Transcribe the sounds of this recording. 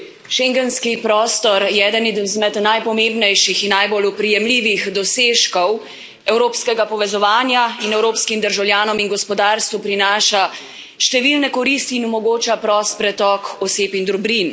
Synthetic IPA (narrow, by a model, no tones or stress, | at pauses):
ʃɛŋɡɛnskipɾɔːst̪ɔɾjɛɛːd̪ənzmɛt̪najpɔmembnɛjʃixinːajbolupɾijɛmliːʋixd̪ɔseːʃkɔw | ɛwɾoːpskɛɡapɔʋɛzɔʋaːnjainɛwɾoːpskimd̪əɾʒawljaːnɔminɡɔspɔd̪aːɾst̪ʋupɾinaːʃa | ʃt̪ɛʋilnɛkɔɾist̪iːnɔmɔɡoːt͡ʃapɾɔst̪̚pɾɛt̪ɔkɔseːpind̪ɾubɾin